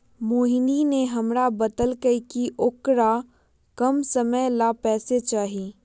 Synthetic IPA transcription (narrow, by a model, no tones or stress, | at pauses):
moːɦɪnineɦɐmɾabɐd̪əlkəikiʔʊkɾa | kɐmsəməjlapɛːset͡ʃaːɦiː